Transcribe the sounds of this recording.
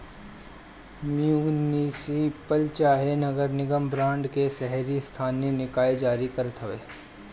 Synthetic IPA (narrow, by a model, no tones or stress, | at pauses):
miuːniːsipəlt͡ʃaːɦenɐɡəɾnɪɡəmbɾãːɳɖkesɛɦɾist̪ʰaːnenɪkaːed͡ʒaːɾikɐɾət̪ɦoʋeː